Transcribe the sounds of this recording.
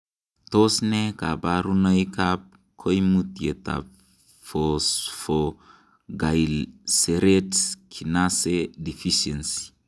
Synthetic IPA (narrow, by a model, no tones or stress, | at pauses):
t̪osnekabaɾunajkap̚ | kʰojmut̪iet̪a̰ | fosfo | ɡajlseɾetskʰinasedifiʃensi̥